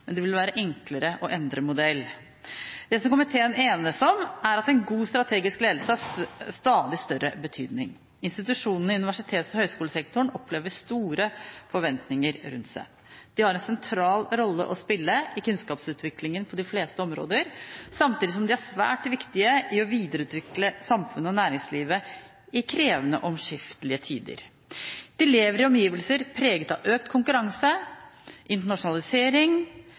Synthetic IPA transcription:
mɛnd̪ɛʋɪlʋæːɾəʔɛŋkləɾəʔɔʔɛnd̪ɾəmʊd̪ɛlː | d̪ɛsɔmkɔmɪt̪ʰeːəneːnəsɔmæɾɑt̪ɛnɡuːst̪ɾɑt̪ʰeːɡɪskleːd̪l̩səɑst̪ɑːd̪ɪst̪œɾːəbət̪ʰy̰ːd̪nɪ̰ŋ | ɪnst̪ɪt̪ʉʂuːnənəɪʉnɪʋæʂɪt̪ʰeːt̪sɔhœʏskuːləsɛk̚t̪ʰʊɳɔpleːʋəst̪uːɾəfɔɾʋɛnt̪nɪŋəɾɾʉ̰nt̪sæ̰ɪ | d̪̥ɪhɑɾɛnsɛnt̪ʰɾɑːlɾɔlːə̰ʔɔspɪlːəɪkʉnskɑːpsʉːt̪ʰʋɪklɪŋənpʰɔd̪ɪfleːst̪əɔmɾo̰ːd̪əɾsɑmt̪iːd̪ɪs̬ɔmd̪ɪæsʋæ̰ːʈʋɪkt̪ɪəɪɔʋiːd̪əɾəʉːt̪ʋɪkləsɑmfʉnːəɔnæːɾɪŋsliːʋə | ɪkʰɾeːʋənə̰ʔɔmʂɪft̪əlɪət̪ʰiːd̪ə̰ɾ | d̪̥ɪleːʋəɾɪɔmjiːʋəlsəɾpʰɾeːɡət̪ɑʋʔøːkt̪kʰʊŋkʉɾɑŋsə | ʔɪnt̪̬əɳɑʂʊnɑlɪseːɾɪŋ

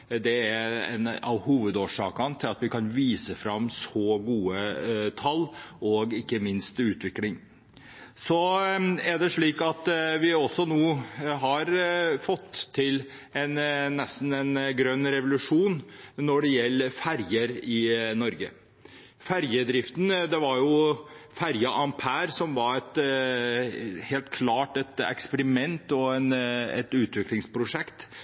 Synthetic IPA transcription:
d̪ɛæɛ̰nɑ̰ʋhuːʋəd̪oːʂɑ̰ːkɑnt̪ʰɪlɑt̪ʋɪkʰɑnʋiːsəfɾɑmːsɔɡuːət̪ʰɑlɔɡɪkːəmɪnst̪ʉːt̪ʋɪklɪŋ | sɔæɖɛʂɭiːkɑt̪ʋɪɔsːɔnuːɦɑɾfɔt̪ʰːɪl | ɛnnɛst̪n̩ɛnɡɾœnːɾɛʋʊlʉʂuːnnɔɖɛjɛlːəfæɾjəɾɪnɔɾɡə̰ | fæɾjəd̪ɾɪft̪nd̪ɛʋɑɾjʊfæɾjɑʔɑmpʰæːɾsɔmʋɑɾɛt̪ | heːlt̪kʰlɑːʈɛt̪ɛ̰kspəɾɪmɛnt̪ɔɛnɛ̰t̪ʉːt̪ʰʋɪklɪŋspʰɾʊʂɛkt̪

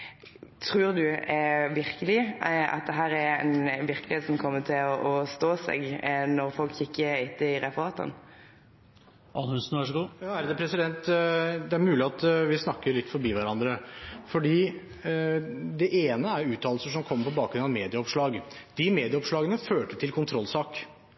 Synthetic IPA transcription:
t̪ʰʁʉːʁd̪ʉɛʋɪɾkəlɪɑ̰t̪̚d̪ɛɦæːɾæɾɛ̰nʋɪɾkəlɪheːt̪sɔmkʰɔmːət̪ʰɪlɔʔɔst̪oːsɛ̰ɡnɔɾfɔlkʰɪkːəɪt̪ːəɪɾɛfəʁɑːt̪ə̰n | ʔɑnhʉnsn̩ʋæʂəɡuːjɑːæɾd̪ɛpʰɾɛsɪd̪ɛnt̪d̪ɛæɾmʉːlɪɑt̪ʋɪsnɑkːəɾɭɪt̪fɔɾbiːʋæɾɑnd̪ɾəfɔɖiː | d̪ɛʔeːnəæɾʉːt̪ʰːɑːlsəʂɔmkʰɔmːpɔbɑːk̚ɡɾʉnɑʋmeːd̪ɪəɔpʂɭɑːɡ | d̪ɪmeːd̪ɪəɔpʂɭɑːɡənəføːʈət̪ʰɪlkʰʊnt̪ʰɾɔlːsɑːk

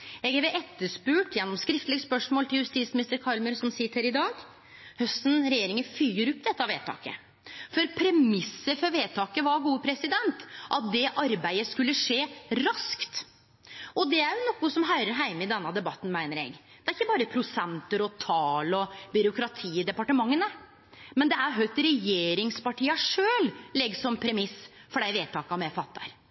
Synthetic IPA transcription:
ɛɡæɾʋɛʔɛt̪ːəʂpʉːʈjɛnːɔmskɾɪft̪lɪɡəspœʂmoːlt̪ɪljʉst̪iːd̪smɪnɪst̪əɾkʰɑlməɾsɔmsɪt̪ʰːəɾɪd̪ɑːɡ | hœst̪nɾɛjeːɾɪŋəfyːəɾɔp̚ːd̪ɛt̪ːɑʋeːt̪ʰɑ̰ːkə̰ | fɔɾpʰɾɛmɪsːəɾfɔɾʋeːt̪ʰɑːkəʋɑɾɡuːəpʰɾɛsɪd̪ɛnt̪ʔɑt̪̚d̪ɛʔɑɾbæɪəskʉlːəʂeːɾɑskt̪ | ʔɔd̪ɛæɾjʊnɔkːʊsɔmɦɑʏɾəɾɦæɪməɪd̪ɛnːɑd̪ɛbɑt̪ːn̩mæɪnəɾɛ̰ɡ | d̪̥ɛæɾɪkːəbɑːɾəpʰɾʊsɛnt̪əɾɔt̪ʰɑːlɔbʏɾʊkɾɑt̪ʰiːd̪ɛpɑʈəmɑŋːənə | mɛnd̪ɛæɾɦœʏt̪ɾɛjeːɾɪŋspɑʈʰiːɑʂøːllɛɡsɔmpʰɾɛmɪsfɔɖæɪʋeːt̪ʰɑːkɑmɛfɑt̪ːɑ̰ɾ

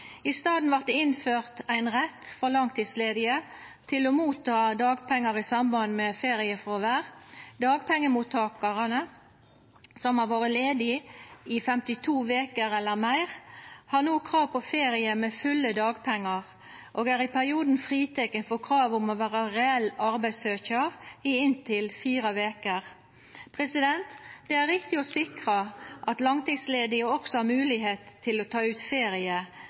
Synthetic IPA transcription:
ɪst̪ɑːd̪n̩ʋæʁt̪̚ɪnføːʁt̪æɪnʁɛt̪ːfɔʁlɑŋt̪ʰːiːsleːd̪ɪət̪ʰɪlɔmuːt̪ʰɑːd̪ɑːɡpʰɛŋːəʁɪsɑmbɑnmɛfeːʁɪəfʁoʋæːʁd̪ɑːɡpʰɛŋːəmuːt̪ʰɑːkɑʁənə | sɔmhɑʋoːʁəleːd̪ɪɪfɛmt̪ɪt̪ʰuːʋeːkəɾɛlːəʁmæɪʁhɑʁnuːkʰʁɑːʋpʰɔfeːɾɪəmɛfʉlːəd̪ɑːɡpʰɛŋːɑʁ | ʔoːɡæːɾɪpʰæʁɪuːd̪n̩fʁiːt̪ʰɛkːənfɔkʰʁɑːʋʊmɔʋæːʁɑʁɛɛlːɑɾbæɪsøːçəʁɪɪnt̪ʰɪlfiːʁəʋeːkəʁ | pʰʁɛsɪd̪ɛnt̪d̪̥ɛæɾʁɪk̚t̪ɪɔsɪkʁəʔɑt̪lɑŋt̪ɪŋsleːd̪ɪɔksɔhɑmʉːlɪɦeːt̪ʰːɪlɔt̪ʰɑːʉːt̪feːɾɪə

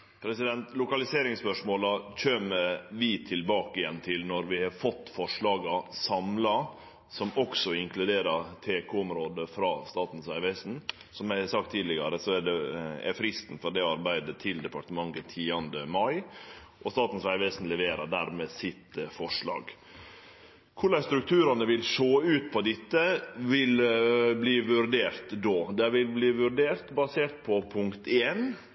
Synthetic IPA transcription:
pʰɾɛsɪd̪ɛnt̪lʊkɑlɪseːɾɪŋspœʂmoːlɑc͡çøːməʋɪt̪ʰɪlbɑːkəɪjɛnːt̪ʰɪlnɔɾʋɪhɑɾfɔt̪ːfɔʂɭɑːɡɑsɑmlɑ | sɔmɔksɔɪŋklʉd̪eːɾɑɾt̪ʰeːkʰuɔmɾoːd̪əfɾɑst̪ɑːt̪n̩sʋæɪʋæsn̩ | sɔmæsɑk̚t̪ʰːiːd̪lɪɡɑɾəsɔɛɖɛɛ̰ɾfɾɪst̪n̩fɔɾd̪ɛɑɾbæɪd̪ət̪ʰɪld̪ɛpɑʈəmɑŋət̪ʰiːɑnd̪əmɑɪ | ʔɔst̪ɑːt̪n̩sʋæɪʋesn̩lɛʋeːɾəɖ̪æɾmeːsɪt̪fɔʂɭɑ̰ːɡ | kʰʊɭæɪst̪ɾʉk̚t̪ʰʉːɾɑnəʋɪlʂoːʉːt̪̚pʰɔd̪ɪt̪ːəʋɪlbliːʋʉɾɖ̪eːɾt̪d̪oːd̪ɛʋɪlbliːʋʉɾɖeːɾt̪bɑseːʈ̪̚pʰɔpʰʊŋkt̪ʰeːn

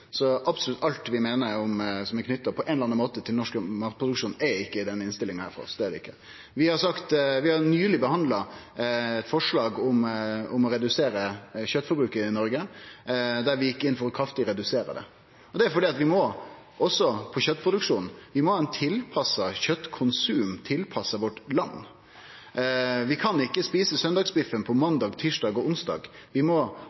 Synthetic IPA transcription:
sɔʔɑbsʊlʉt̪ɑlt̪ʋɪmeːnəɾʊmsɔmɛɪkʰnʏt̪ːəpʰɔʔɛnləɑnɑnmoːt̪ət̪ʰɪlnɔʂkmɑɾkt̪̚pʰɾʊd̪ʉkʂuːnɛɾɪkːəɪd̪ɛnːɪnst̪ɪlɪŋnhæ̰ːɾfɔ̰ɾɔ̰sd̪ɛæd̪ɖɛ̰ɪkːə | ʋɪhɑɾsɑkt̪ʋɪhɑɾnyːlɪbəhɑnd̪lɑ | ɛt̪fɔʂlɑːɡʊmʊmɔɾɛd̪ʉseːɾəçœt̪ːfɔɾbɾʉːkəɾɪnɔɾɡə | d̪æɾʋɪjɪkːɪnːfɔɾɔkʰɑft̪ɪɾɛd̪ʉseːɾə̰d̪ɛ̰ | ɔd̪ɛæɾfɔɖiːɑt̪ʋɪmɔ | ʔɔsːɔpʰɔɕœt̪ːpʰɾʊd̪ʉkʂuːnn̩ʋɪmɔhɑːɛnt̪ʰɪlpʰɑsːɑçœt̪ːkʰʊnsʉːmt̪ʰɪlpʰɑsɑʋɔʈlɑnː | ʋɪkʰɑnɪkːəspiːsəsœnd̪ɑɡsbɪfənpʰɔmɑnd̪ɑːɡt̪ʰiːʂɖɑːɡɔʊnsd̪ɑ̰ːɡʋɪmɔ

